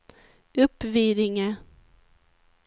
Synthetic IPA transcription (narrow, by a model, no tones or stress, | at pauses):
ɵpːviːd̪ɪŋə